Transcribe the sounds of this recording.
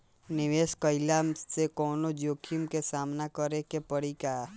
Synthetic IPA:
nɪʋeːskəɪlaːmsekɔːnod͡ʒoːkʰimkesaːmnakəɾekepəɽikaː

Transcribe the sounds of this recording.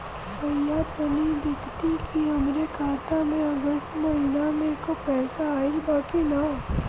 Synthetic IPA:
fɐɾjaːt̪nɐnid̪ɪkʰt̪ikiɦɐmɾekʰaːt̪amẽɐɡəst̪mɐɦinamẽkopɛːsaːɪlbaːkina

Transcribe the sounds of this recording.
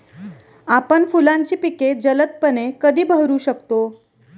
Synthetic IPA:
apəɳfulãɲt͡ɕiːpiked͡ʑələt̪̚pənekəd̪ʱiːbʱəɦɾuːɕəkt̪o

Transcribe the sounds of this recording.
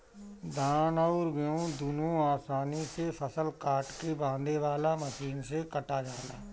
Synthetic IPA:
d̪ʱaːnaʊɾɡəjõd̪unõaːsaːnisepʰəsəlkaːʈkebãːnd̪eʋaːlaməʃiːnsekəʈad͡ʒaːla̰ː

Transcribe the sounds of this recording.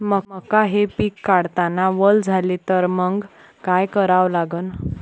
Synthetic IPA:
məməkaɦepikːaɽt̪anaʋəld͡zʱalit̪əɾməŋɡ | kajkəɾaʋlaɡən

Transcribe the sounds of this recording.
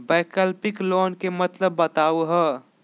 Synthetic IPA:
bɛːkəlpɪkloːnkemət̪ləbːət̪aːuɦəː

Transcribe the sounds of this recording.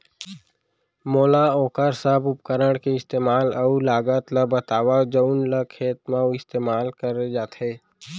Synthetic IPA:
moːlaoːkəɾsabʊp̚kəɾəɽ̃keɪst̪eːmaːləulaːɡət̪ləbət̪aːʋad͡ʒəʊnləkʰeːt̪mãɪst̪eːmaːlkəɾed͡ʒaːt̪ɦeː

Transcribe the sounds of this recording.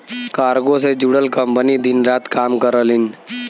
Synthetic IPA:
kaːɾɡõsed͡ʒuɽəlkəmpənid̪ɪnɾaːt̪kaːmkəɾəlɪn

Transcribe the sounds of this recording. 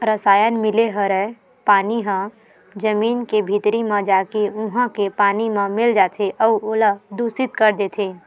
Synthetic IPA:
ɾəsaːjənmɪleɦəɾɛ | paːniɦə̃ | d͡ʒəmiːnkebʱit̪ɾimə̃d͡ʒaːkeʊɦə̃kepaːnimẽmɪld͡ʒaːt̪ʰeʔɔːoːləd̪uːsɪt̪kəɾd̪eːt̪ʰeː

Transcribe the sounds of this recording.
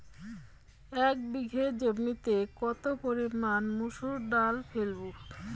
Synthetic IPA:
ɛk̚biɡʱed͡ʑobmit̪ekɔt̪opoɾimanmuʃuɾɖalfʰelbuʈ

